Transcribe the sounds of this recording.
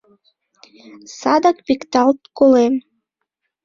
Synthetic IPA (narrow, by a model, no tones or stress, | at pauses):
sɑd̪ɑk̚pikt̪ɑlt̪̚kolem